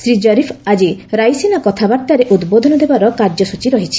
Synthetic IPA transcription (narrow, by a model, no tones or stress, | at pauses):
sɾid͡ʒɔɾipʰad͡ʒiɾajsenakɔt̪ʰabaɾt̪aɾeʔud̪bod̪ʱɔnɔd̪ebaɾɔkaɾd͡ʒɔsut͡ʃiɾɔɦit͡ʃʰi̥